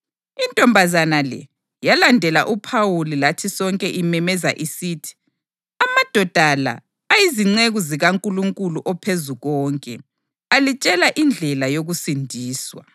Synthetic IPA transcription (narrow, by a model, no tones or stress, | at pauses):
intʼɔmbʱazanalɛ̰ | jalandʱɛla̰ʔupʰawulilatʰisɔŋkʼɛʔimɛmɛza̰ʔisiːtʰi̥ | amad̥ʱɔd̥ʱala̰ː | jiziŋ͡ǀeɣuziɣaŋkʼuluŋkʼuluʔɔpʰezuɣɔːŋkʼɛ | alit͡ʃʼɛlaʔind͡ɮʱɛlajoɣusindʱiːswa̰